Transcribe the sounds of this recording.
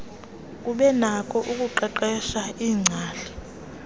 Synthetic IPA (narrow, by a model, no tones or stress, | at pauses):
k̬ʼuɓɛnakʰʼɔʔukʼuǃɛǃɛʃaiːŋ͡ǀʱaːɬɛ̥